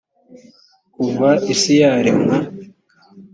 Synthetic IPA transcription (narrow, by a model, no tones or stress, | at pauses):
kuvaʔisijaɾemha